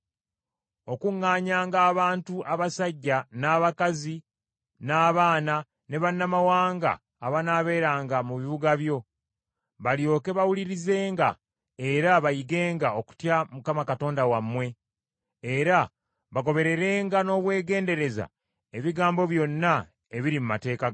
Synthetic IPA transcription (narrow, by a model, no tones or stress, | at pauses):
o̞kuŋːaːɲaːŋɡaːβaːntuʔaβasaɟːanaːβakazi | naːβaːna | ne̞βanːamawaːŋɡa̰ː | βanaːβe̞ːɾaːŋɡamuβiβuɡaβjo̞ | βaljo̞ːke̞βawuliɾize̞ːŋɡa̰ | e̞ɾaβajiɡe̞ːŋɡao̞ku̥tjamukamakato̞ːndawamːwe̞ | eɾa | βaɡo̞βe̞ɾe̞ɾe̞ːŋɡano̞ːβwe̞ːɡe̞ːnde̞ɾe̞za̰ | eβiɡaːmbo̞βjo̞nːa | e̞βiɾimumate̞ːka